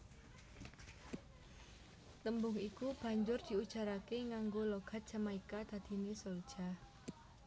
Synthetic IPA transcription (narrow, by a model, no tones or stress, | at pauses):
t̪əmbʊŋikub̥a̤ɲd͡ʒʊrd̪̥i̤ud̥ʒ̥a̤ɾakeŋaŋɡoloɡ̥a̤t̪̚ʒ̥a̤maikad̪̥a̤d̪̥i̤nesold̥ʒ̥a